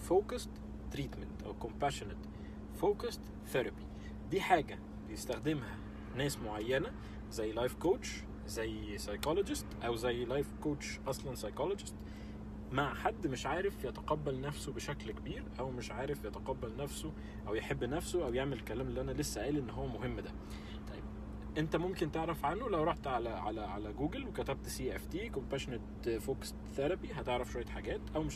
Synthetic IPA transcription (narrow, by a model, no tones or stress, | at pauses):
foːkæst̪ | t̪ːɾiːt̪ment̪ʔæ̰wkompæʃonet̪ | foːkæst̪ | θæɾæpi | d̪iːħaːɡæ | b̥ejest̪æxd̪emhæ | næːsmoʕajːænæ | zæjːlɑjfkoːt͡ʃ | zæjːsˤɑjkɑlod͡ʒɪst̪ʔæwzæjːlɑjfkoːt͡ʃʔɑsˤlɑnsˤɑjkɑlod͡ʒɪst̪ | maʕħad̪ːmɪʃʕaːɾefjɑt̪ɑ̥qɑbːælnæfsobeʃæklkebiːɾʔæwmeʃʕaːɾefjet̪ɑqɑbːælnæfso | ʔæwjeħebːnæfsoʔæwjeʕmelekælæːmelːiʔænælesːæʕeːlʔenːɦowːæmoɦemːd̪æ | t̪ˤɑjːeb̚ | ʔent̪æmomkent̪eʕɾæfʕanolæwɾˤɑħt̪ʕalæʕa̰læʕa̰læɡuːɡelwekæt̪æb̚t̪siːʔeft̪iːkompæʃnet̪foːks | θæɾˤɑpiɦæt̪eʕɾæfʃwæjːet̪ħaɡæːt̪ʔæwmeʃ